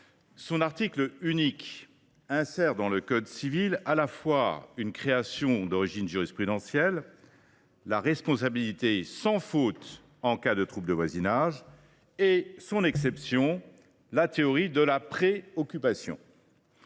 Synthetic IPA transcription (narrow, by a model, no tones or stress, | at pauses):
sɔ̃naʁt̪iklynik | ɛ̃sɛʁd̪ɑ̃ləkɔd̪sivilalafwaynkχeasjɔ̃d̪ɔʁiʒinʒyʁispχyd̪ɑ̃sjɛlː | aʁɛspɔ̃s̬abilit̪esɑ̃fot̪ | ɑ̃kad̪ət̪χup̚d̪əvwazinaʒ | esɔ̃nɛksɛpsjɔ̃ | lat̪eɔʁid̪əlapχeɔkʲypasjɔ̰̃